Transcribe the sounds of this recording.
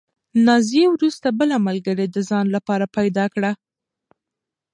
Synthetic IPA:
nɑzjewɾust̪abəlamalɡəɾed̪əzɑnlapɑɾapajd̪ɑkɽa

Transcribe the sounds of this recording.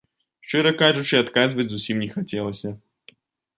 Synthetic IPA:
ʂt͡ʂɨɾɐkaʐut͡ʂɨat̪kazvɐd͡zʲzusʲimnʲɛxat͡sʲɛlˠɐsʲɐ

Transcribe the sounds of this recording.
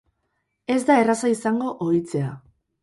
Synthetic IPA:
e̞zd̪ae̞rasaisaŋɡo̞ʔoit͡se̞a

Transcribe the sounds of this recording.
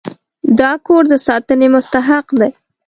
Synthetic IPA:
d̪ɑkoɾd̪əsɑt̪ənemʊst̪aɦaqd̪aj

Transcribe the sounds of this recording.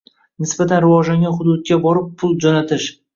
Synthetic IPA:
nɪsbat̪ʰanɾɪvɒd͡ʒlaŋʲɡʲanχʊd̪ʊd̪̚kʲabɒɾɪpːʰʊlˠd͡ʒɒnat̪ʰɪʃ

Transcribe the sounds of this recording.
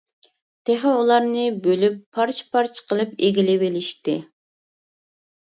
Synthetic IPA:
t̪ʰeχɛulˠɑɾnɨbølypʰːɑɾt͡ʃʰpʰɑɾt͡ʃʰqəlˠɨpeɡʲilɪwɪlɪʃt̪ɪ

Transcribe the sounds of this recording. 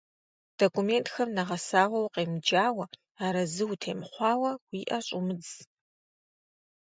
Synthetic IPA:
d̥okʰʷʼumentxɐmnɐʁɐsaːʁʷɐwqeːmd͡ʒaːwɐ | aːɾɐzɨwtʰeːmɨχʷɑːwɐwiːʔɐɕʼʊmɨd͡z

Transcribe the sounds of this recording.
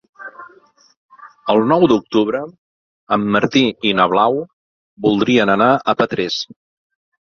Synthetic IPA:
əlˠnɔwd̪uk̚t̪uβɾə | əmːəɾt̪iinəβlaw | bulˠd̪ɾiənənaʔəpət̪ɾɛs

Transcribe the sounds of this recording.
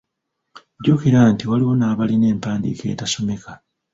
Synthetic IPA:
ɟukiɾaːntiwaliwonaːβaline̞ːmpaːndḭke̞̰ːtaso̞me̞ka

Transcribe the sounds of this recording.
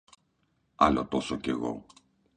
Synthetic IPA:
ɐ̰lot̪osoceɣo̞̰

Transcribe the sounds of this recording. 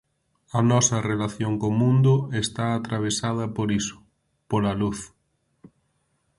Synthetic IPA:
ɐnɔsɐrelaθjoŋkomũnd̪ʊest̪aːt̪ɾaβ̞esað̞ɐpoɾisʊ̥ | polaluθ

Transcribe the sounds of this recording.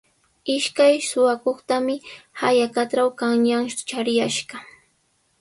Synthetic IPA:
ɪʃkajsʊwakoχt̪amɪhajakat̪ɾawkaŋɲaŋt͡ʃaɾjaʃɢɑ

